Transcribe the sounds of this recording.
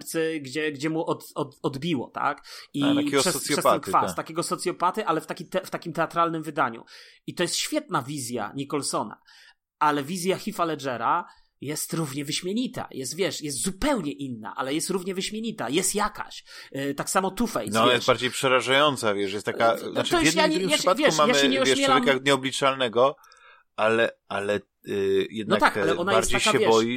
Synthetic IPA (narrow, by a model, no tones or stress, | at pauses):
ɾt̪sɛɡd͡ʑɛɡd͡ʑɛmuʔɔt̪ɔt̪ɔd̪bʲiwɔ̰t̪a̰kit̪akʲɛɡʂɛsɔpsjɔɛspaɛɛnkfast̪akʲɛɡɔsɔt̪sʲjɔpat̪ɘʔalɛft̪akʲit̪ɛft̪akʲimt̪ɛat̪ɾalnɘmvɘd̪aɲṵit̪ɔjɛst̪ɕfʲjɛt̪navʲizʲja̰ɲikɔlsɔna̰ | alɛvʲizʲjaxʲifalɛʐɛɾa | jɛst̪ɾuvɲɛvɘɕmʲjeɲit̪a̰jʔɛst̪vʲjɛʂjɛst̪zupɛwɲɛʔinːa̰ʔalɛjɛst̪ɾuvɲɛvɘɕmʲjeɲit̪ajɛst̪jaka̰ɕt̪aksamɔt̪ufɛjnɔɔnajɛsbaɾd͡ʑejpʂɛɾaʐajɔnt̪savʲjɛʂjɛst̪t̪ːakanaʈ͡ʂ̪ɔjɛd̪ajaʂpatvʲjɛuʂmmajamɘɕɛɲɛɔvʲjɛʂmʲɛlavɛmkaɲɛɔblʲit͡ʂalnɛɡɔ | ʔalɛʔalɛ | jɛd̪̚nɔakt̪akalɛɔnajaɛɾd͡ʑeaɕaɛvjɛbɔji